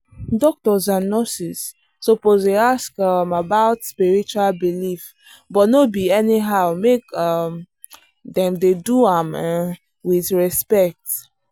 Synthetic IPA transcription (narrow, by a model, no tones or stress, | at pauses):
dɔk̚tɔzãnːɔsisː | ɔpozeaskamabaʊtspiɹit͡ʃualbilif | bɔtnobiɛniɦaʊmekam | dɛ̃mdeduãm | wiθɹɛspɛk̚t